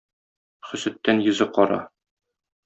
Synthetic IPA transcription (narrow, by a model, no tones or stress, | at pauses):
χɵ̆sɘ̆t̪ːænjɵ̆zɤqɒɾɑ̰